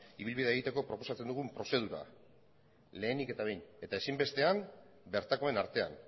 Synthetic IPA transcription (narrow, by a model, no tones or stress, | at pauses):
iβilβiðeɣit̪e̞ko̞pɾo̞po̞sat͡se̞nd̪uɣ̞umpɾo̞se̞ð̞uɾa̰ | le̞ːnike̞t̪aβe̞jne̞t̪ae̞simbe̞st̪e̞ambe̞ɾt̪ako̞e̞naɾt̪e̞a̰n